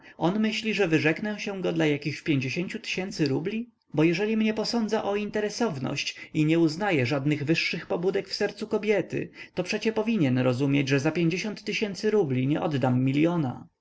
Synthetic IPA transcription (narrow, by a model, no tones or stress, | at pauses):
ɔnmɘɕlʲiʐɛvɘʐɛknɛ̃ɕɛ̃ɡɔd̪lajakʲixpʲjeɲd͡ʑeɕeɲt͡ɕut̪ɘ̥ɕɛnt̪sɘɾublʲi | bɔjɛʐɛlʲimɲɛpɔsɔnd̪zaʔɔint̪ɛɾɛsɔvnɔ̰ɕt͡ɕiɲɛuznajɛʐad̪nɘɣvɘʂːɘxpɔbud̪ɛkfsɛɾt̪sukɔbʲjɛt̪ɘ̰t̪ɔpʂɛt͡ɕɛpɔvʲiɲɛnɾɔzumʲjed͡ʑʐɛzapʲjeɲd͡ʑeɕɔnt̪ːɘɕɛnt̪sɘɾublʲiɲɛʔɔd̪d̪amːʲilʲjɔna̰